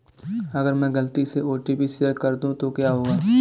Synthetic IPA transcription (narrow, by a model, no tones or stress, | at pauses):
ɐɡəɾmɛ̃ːɡɐlt̪iseoːʈibʱisiəɾkɐɾd̪ũt̪okjaɦoːɡaː